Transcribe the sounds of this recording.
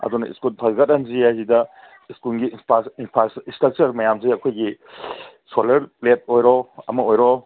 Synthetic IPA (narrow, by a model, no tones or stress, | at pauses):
ɐ̰dunɐḭskultʰaɡɐtɐnziajzidɐ | iskulɡipainpʰɾasinstɾɐk̚t͡ʃɐɾmɐjamziɐkʰojɡi | solɐɾplet̚ojɾɔɐ̰mɐojɾɔ